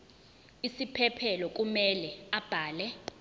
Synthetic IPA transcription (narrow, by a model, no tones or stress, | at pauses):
isipʰɛpʰɛlɔk̬ʼumɛlɛab̥ʱaːlɛ